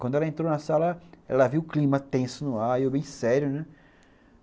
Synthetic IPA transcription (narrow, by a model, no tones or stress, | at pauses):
kwɐ̃d̪ʊɛlɐẽnt̪ɾonɐsalɐɛ̰lɐviwʊklĩmɐt̪ẽsʊnʊaɾiɛbẽj̃sɛɾjʊnɛ